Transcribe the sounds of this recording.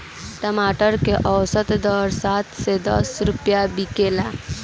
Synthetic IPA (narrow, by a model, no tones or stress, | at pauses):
ʈəmaʈəɾkeʔəwsət̪d̪ɔːɾsat̪sed̪ə̰sɾupjabikela